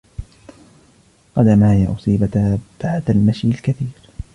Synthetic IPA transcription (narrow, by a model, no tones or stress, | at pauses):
qɑd̪amahjaʔʊsˤiːbat̪b̥aʕd̪almaʃjɪlkaθiːɾ